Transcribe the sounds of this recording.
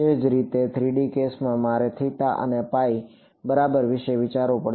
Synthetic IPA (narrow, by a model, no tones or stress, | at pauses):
ed͡ʒɾit̪et̪ʰɾiɖikesmãmaɾet̪ʰit̪aʔə̰nepai | bəɾabəɾʋɪʃeʋɪt͡ʃaɾopəɽ